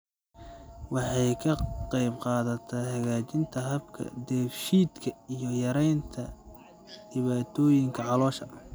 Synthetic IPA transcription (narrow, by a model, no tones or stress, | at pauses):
wɑħɑjkʰɐqɑjbqɑːðɐt̪ʰɐhɐɣaːt͡ʃɪnt̪ʰɐɦɐbkʰɐ̰d̪ɛːfʃiːd̪kʰɐijɞjɐɾɛjnt̪ʰɐ | d̪̥ɪβaːt̪ʰɔːjɪŋkʰɐʕɑlɔːʃɐ